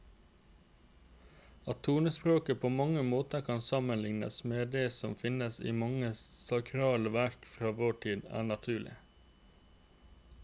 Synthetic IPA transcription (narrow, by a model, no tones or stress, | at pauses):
ɑt̪ʰuːnəspɾoːkəpʰoːmɑŋəmoːt̪əkʰɑnsɑmənlɪŋnə̰smeːd̪eːsɔmfɪnəsḭːmɑŋəsɑkʰɾɑːləʋæɾkfɾɑːʋoːʈʰiːd̪æ̰ːɳɑt̪ʰʉːɭɪ̰